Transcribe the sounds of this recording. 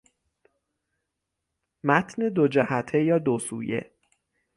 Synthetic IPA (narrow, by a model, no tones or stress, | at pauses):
mæt̪ʰned̪od͡ʒæhæt̪ʰejɒːd̪osṵːjḛ